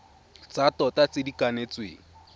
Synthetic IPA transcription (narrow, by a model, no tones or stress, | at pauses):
t͡satɔtat͡sɪdikanet͡swḛːŋ̩